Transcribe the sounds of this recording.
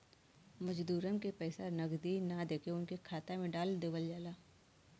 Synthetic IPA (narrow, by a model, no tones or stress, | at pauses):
mɐd͡ʒd̪uːɾənkepɛːsanɐɡd̪inad̪eːkʰeʊnkekʰaːt̪amẽɖaːld̪eːʋəld͡ʒaːlaː